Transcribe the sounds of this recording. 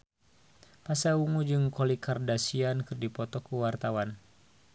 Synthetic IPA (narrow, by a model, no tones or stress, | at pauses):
pasauŋud͡ʒɨŋkɔlikʰardasiankɨrdipɔt̪ɔkuwart̪awan